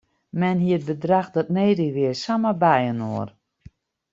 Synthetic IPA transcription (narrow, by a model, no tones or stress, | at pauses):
mɛnɦiət̚bədraxdɔt̚neːdiʋɪəsaməbɛjəno̰ər